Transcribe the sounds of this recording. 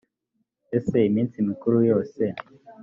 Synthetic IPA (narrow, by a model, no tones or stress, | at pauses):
eseimint͡simikuɾujoːse